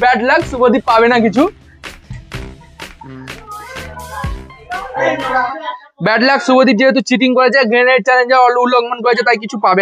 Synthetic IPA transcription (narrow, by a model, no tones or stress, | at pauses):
bɛʈlaksubɔd̪ipabenakit͡ʃʰu | bɛʈlaksubɔd̪id͡ʒeɦet̪̬ut͡ʃiʈ̬iŋkɔɾet͡ʃʰaɡʱenet͡ʃaned͡ʒaɔluulɔɡmənkɔet͡ʃʰat̪aik̬it͡ʃʰupabe